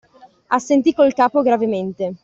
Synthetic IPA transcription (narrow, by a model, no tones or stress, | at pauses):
asːent̪ikolkaːpoɡɾavement̪e